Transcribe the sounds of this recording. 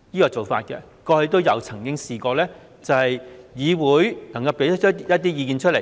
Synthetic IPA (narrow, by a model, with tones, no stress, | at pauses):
jiː˥kɔː˧t͡so˨˩wfaː˧t̚kɛ̰˧ | kɔː˧he˨˧jt̪o˥wjɐ˨˧wt͡sʰɐ˨˩ŋkɪ˥ŋsiː˨kɔː˧lɛː˥ | t͡sɐ˨˩whɐ˨jjiː˨˧wuː˨˧˥jnɐ˨˩ŋkɐ˧wpe˨˥jt̪ʰə˥t͡ʃʰːjɐ˥t̪̬iː˥jiː˧kiː˨nt͡ʃʰɵ˥t̚le˨˩